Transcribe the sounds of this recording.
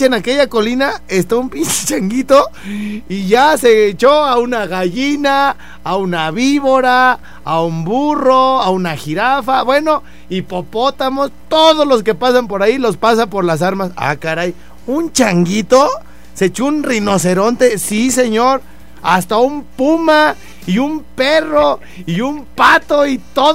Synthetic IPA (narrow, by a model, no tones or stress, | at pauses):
enake̞ʝako̞linaest̪aumpint͡ʃt͡ʃaŋɡit̪oiʝaset͡ʃoaunaɣaʝinaː | unaβiβoɾaː | umburoaunaxiɾafaβwe̞no̞ | ipopo̞t̪amo̞st̪oðozlo̞s̬ke̞pas̬ampo̞ɾailo̞spas̬apo̞ɾlas̬aɾmasa̰kaɾaj | unt͡ʃaŋɡit̪o̞ | se̞t͡ʃuunrino̞s̬e̞ɾo̞nt̪e̞sise̞ɲo̞ɾ | ast̪aumpuma | iumpero̞ | iumpat̪o̞it̪o